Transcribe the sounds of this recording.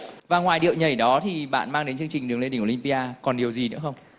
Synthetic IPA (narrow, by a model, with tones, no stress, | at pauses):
vaː˨˩ŋwaː˨˩jɗḭ˧˨əwɲə˨˩jɗɔ˨˦t̪ʰi˨˩ɓa̰ː˧˨nmaː˧ŋɗe˨˦nt͡ɕɨ˧əŋt͡ɕi˨˩ŋ̟ɗɨ˨˦əŋle˧i˧˩ŋkːi˧ŋpi˧ʔaː˧kɔ˨˩nɗi˨˩əwzi˨˩nɨ̰˧˥xə˧wŋ͡m